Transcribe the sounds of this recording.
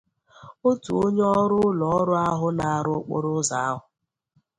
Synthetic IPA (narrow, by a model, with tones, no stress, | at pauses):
o˦tu˨o˦ɲe˦ɔ˦ɾʊ˦lɔ˨ɔ˦ɾʊ˦a˦ɦʊ˦na˨a˨ɾʊ˦k͡pʊ̰˦ɾʊ˦za˨a˦ɦʊ˨